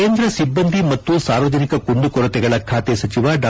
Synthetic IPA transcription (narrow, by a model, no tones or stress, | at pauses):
eːnd̪ɾɐsibːɐnd̪ʱimɐtt̪ːusaːɾʋɐd͡ʒɐnikɐkuɳɖukɔɾɐt̪ɛɡɐɭɐkʰaːt̪esɐt͡ʃiʋaɖaː